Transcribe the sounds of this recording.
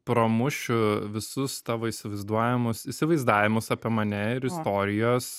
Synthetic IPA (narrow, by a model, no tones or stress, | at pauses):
pɾomʊʃʲʊʋʲɪsʊst̪ɑːʋoːisʲɪʋɐɪzd̪uɔjʲɪmʊsiːsʲɪʋɐɪzd̪ɑːʋʲɪmʊsɑːpʲiɛmɐnʲɛɪɾɪst̪oːɾʲɪjoːs